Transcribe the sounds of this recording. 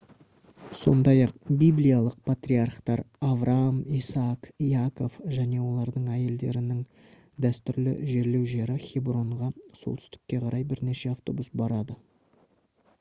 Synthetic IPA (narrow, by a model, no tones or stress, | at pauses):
so̞̰nd̪ɑjɑq̚bijblijalˠəq̚pʰat̪rʲiarqt̪ɑɾavrʔamisɑkijako̞fʒæne̞wo̞lˠɑɾd̪əɴæje̞ld̪e̞̰ɾɪnɪŋ | d̪æst̪ʏɾlɪ̰ʒe̞ɾle̞wʒe̞ɾɪχʲibro̞ɴʁɑso̞lˠt̪ʰʏ̥st̪ɪ̥kʲːe̞qʰɑɾʔɑjbɪɾne̞ʃe̞aft̪o̞̰busbɑɾɑd̪ə